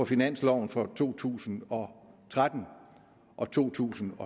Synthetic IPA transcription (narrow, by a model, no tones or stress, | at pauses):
ɒ̽finæn̰slɒʊ̰n̩fɒ̽t͡sʰo̝̰ːt͡sʰṵːsn̩ɒ̽t͡sʰʁad̥n̩ | ʔɒ̽t͡sʰo̝̰ːt͡sʰṵːsn̩ɒ̽